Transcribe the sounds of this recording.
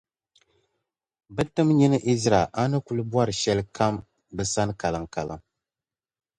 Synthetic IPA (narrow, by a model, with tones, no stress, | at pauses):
bɨ˦tɨ˦mɲi˦nɨ˦ʔi˦zɾa˨ʔa˦nɨ˦ku˨˦lɨ˦bwa˦ɾɨ˨ʃɛ˦lɨ˦kʰa˦m | bɨ˨sa˦n˦ka˨lɨ˨ŋka˨lɨ̰˨ŋ